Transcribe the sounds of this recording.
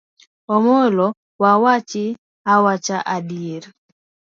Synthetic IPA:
ɔmolɔ | wawat͡ʃɪ | awat͡ʃaʔadieɾ

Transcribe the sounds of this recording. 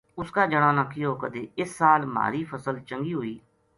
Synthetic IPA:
ʊskaːd͡ʒəɽ̃aːnãːkʰːiːoːkəd̪eːɪsːaːlma̰ːɾiːpʰəsəlt͡ʃəŋɡiːɦoːiː

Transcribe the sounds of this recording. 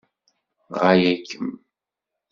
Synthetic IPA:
ʁajækːəm

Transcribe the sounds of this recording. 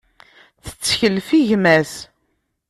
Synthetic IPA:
θə̥t͡sːçəlfiʝmæs

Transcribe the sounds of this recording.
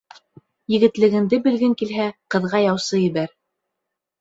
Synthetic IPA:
jɘ̆ɡɘ̆t̪lɘ̆ɡɘ̆nd̪ɘbɘ̆lɡɘŋkilɦæqɤ̆ðʁɑjɑwsɤjɘ̆βæɾ

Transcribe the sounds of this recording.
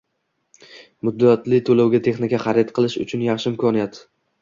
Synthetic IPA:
mʊd̪ːat̪lɪt̪ʰolawɡʲat̪ʰe̞χnɪkʲaχɑɾet̪qʰɨlˠɪʃʊ̰t͡ʃʰʊnjɑχʃɪɪmkʰɒnijat̪

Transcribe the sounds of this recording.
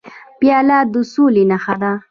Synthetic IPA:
pjalad̪usulinaxad̪a

